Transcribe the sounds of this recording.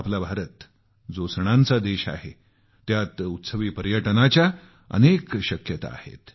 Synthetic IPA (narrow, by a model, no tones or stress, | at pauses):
aplabʱaɾət̪ | d͡zosɳ̃ãnt͡sad̪eɕa̰ɦe | t̪jat̪ut̪səʋiːpəɾjəʈnat͡ɕja | ə̰nekɕəkjət̪a̰ːhḛt̪